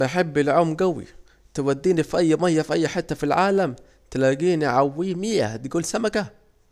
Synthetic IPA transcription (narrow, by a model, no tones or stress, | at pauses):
aħɪbːɪlʕʊmːɡawḭ | t̪ɪwad̪ːiːnifʔajːmajːafʔajːħɪt̪ːafilʕaːlam | t̪ɪlaːɡiːniʕawːiːmɪja̰d̪ɡuːlsamaka